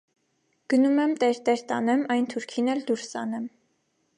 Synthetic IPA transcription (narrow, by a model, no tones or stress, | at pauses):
ɡ̥ənumɛmt̪ɛɾt̪ɛɾt̪ɑ̰nɛmɑjnt̪ʰuɾkʰinɛld̪uɾsɑ̰nɛm